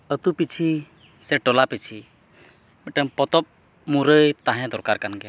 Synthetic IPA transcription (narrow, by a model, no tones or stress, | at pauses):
ət̪upit͡ʃʰi | sɛʈɔlapit͡ʃʰi | mɛʈəmpɔt̪ɔp̚ | muɾəjt̪aɦɛ̃d̪ɔɾkaɾkanɡɛ